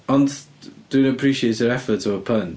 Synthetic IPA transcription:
ə̃nd̥ʉ̃nəpʰɹ̥iˑʃieɪtəɹɛfətəvəpʰʌn

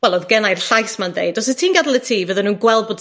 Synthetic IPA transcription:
wɛlˠɔðɡɛnajrɬajsmandḛjdɔsə̥tʰiːnɡadlˠətʰiːvəðɔnːuːnɡwɛl̚ˠboːd

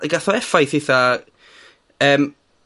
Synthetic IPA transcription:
ɡaθɔɛfajθɪθa | əːm

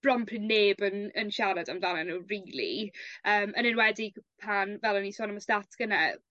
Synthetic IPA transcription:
rɔmpʰrɪneːbənənʃaɾadamvlanɛnuːriːlˠḭəːmʔənɪnwɛdipʰanvɛlˠɔnisɔːnəməstatʰɡ̥əna

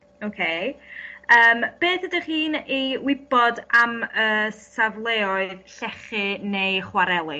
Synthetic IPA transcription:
okʰe | əːmb̥eːθədəχiːniwɪb̥ɔdaməːsavlˠeːɔɨðɬɛχɨnejχwaɾɛlˠɪ

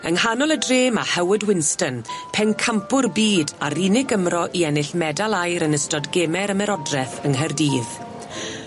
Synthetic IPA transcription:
ə̰ŋhanɔlˠədreːmahɛwɪdwɪnstənpʰɛnkʰampʊrbiːdaɾinɪɡəmrɔʔiɛnɪɬmɛdalˠajɾənəstɔdɡɛmɛɾəmɛɾɔdrɛθəŋɦərdiːð

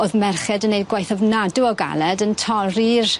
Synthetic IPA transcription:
oːðmɛrχɛdənːejdɡwajθɔvnaduɔɡa̰lˠɛdəntʰɔrir

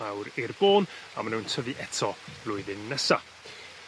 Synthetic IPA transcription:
awɾirboːnamanuːntʰəvɨʔɛtʰɔb̥lʊɨðɪnːɛsa̰

